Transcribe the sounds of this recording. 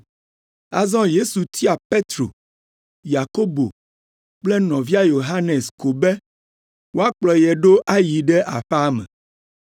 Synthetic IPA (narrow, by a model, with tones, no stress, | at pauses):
a̰˨zɔ̃˦je˦su˨t̪ʰi˦a˨pe˦t̪ɾo̰˨ | ja˨ko˦bo˨ | k͡plɛ˦nɔ̃˨vi˦a˦jo˨ɦa˦ne˨sko˨bɛ˦ | wo˦a˦k͡plɔ˨jɛ˨ɖo˦ʔa˦ji˨ɖɛ˦ʔa̰˨ɸa˦mɛ̰̃˨